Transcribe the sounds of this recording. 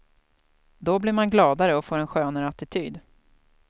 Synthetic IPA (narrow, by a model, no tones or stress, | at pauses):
d̪ɔblɪɾmanɡlɑːd̪aɾəɔfoːɾɛnɧøːnəɾat̪ɪt̪ʰyːd̪